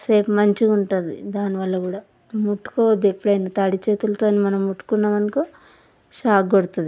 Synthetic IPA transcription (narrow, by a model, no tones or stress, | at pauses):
seːpmɐɲt͡ʃiuɳʈund̪ḭd̪aːniʋɐlːɐɡuːɽaː | muʈːu̥koʋɐd̪ːepːuɽɐjnit̪ɐɽit͡ʃe̞ːt̪ulɐt̪o̞ːnimɐnɐmuʈːu̥kunːɐʋɐnɐku | ʃaːkɡoɽut̪und̪i